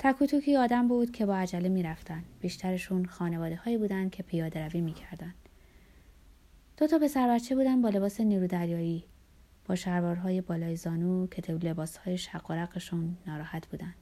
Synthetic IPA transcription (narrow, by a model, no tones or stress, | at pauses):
t̪ʰækʰuːt̪ʰucʰiːɒːd̪æmbuːd̪̥kcʰe̞bɒːæd͡ʒælemiːɾæft̪ænd̪b̥iːʃt̪ʰæɾe̞ʃuːnxɒːne̞vɒːd̪e̞hɒːjiːbuːd̪ænd̪̚cʰe̞pʰijɒːd̪eɾæviːmiːcʰæɾd̪ænd̪̥ | d̪̥o̞t̪ʰɒːpe̞sæɾbæt̪t͡ʃʰe̞buːd̪ænd̪bɒːle̞βɒːse̞niːɾuːd̪æɾjɒːiː | b̥ɒːʃæɾvɒːɾɦɒːje̞bɒːlɒːjezɒːnuːcʰe̞t̪ʰele̞bɒːshɒːjeʃæɢːoɾæɢeʃunːɒːɾɒːhæt̪ʰb̥uːd̪ænd̪̥